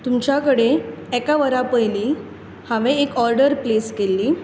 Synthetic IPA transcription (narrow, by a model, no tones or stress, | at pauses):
t̪umt͡ɕjakəɽeekaʋəɾapəjliː | hãʋẽːkɔɾɖəɾpleskelːiː